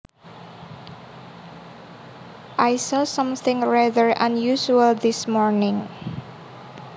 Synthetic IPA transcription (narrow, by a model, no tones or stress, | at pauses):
ʔajsɔsʌ̃mθɪ̃ŋɹaðəɹã̰njuʃuəld̪ɪsmɔɹnɪ̃ŋ